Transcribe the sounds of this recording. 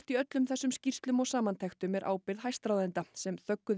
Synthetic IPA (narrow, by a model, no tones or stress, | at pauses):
t̪iœt̪lʏmθɛsːʏmscir̥t̪lʏmɔɣsaːmant̪ʰɛxt̪ʏmɛɾʔa̰ːwpɪɾðɦajst̪ɾawðɪnt̪asɛmθœkːʏ